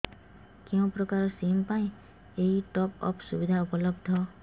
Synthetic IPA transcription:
keũpɾɔkaɾɔsimpaĩ | eɦiʈɔpɔ̰pʰsubid̪ʱaupɔlɔbd̪ʱɔ

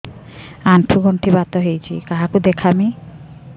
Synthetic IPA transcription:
anʈʰuɡoɳʈʰibat̪oɦejt͡ɕʰḭkaɦakud̪ekʰami

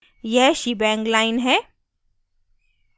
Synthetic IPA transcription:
jɛɦʃibɛ̃ːŋɡlaːɪnɦɛː

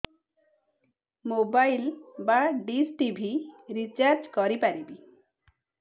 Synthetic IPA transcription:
mobajlbaɖisʈibʱiɾit͡ʃaɾd͡ʒkɔɾipaɾibi

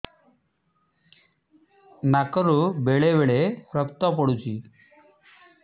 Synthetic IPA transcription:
nakəɾubeɭebeɭeɾəpt̪ɔp̬ɔɽut͡ʃʰi

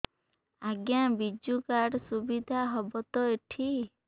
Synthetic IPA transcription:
aɡjabid͡ʒukaɽsubid̪ʱaɦɔbɔt̪ɔeʈʰi

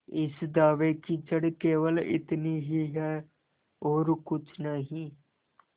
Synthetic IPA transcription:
ɪsd̪aːʋekit͡ʃəɽkeːʋəlɪ̰t̪niɦiɦɛː | oːɾkʊt͡ʃʰnəɦĩː

